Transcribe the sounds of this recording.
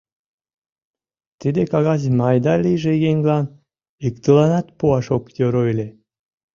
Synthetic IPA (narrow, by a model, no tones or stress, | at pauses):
t̪id̪ekɑɣɑzmɑjd̪ɑlʲijʒeɣeŋɡlɑn | ikt̪əlɑnɑt̪puɑʃokjoɾoelʲe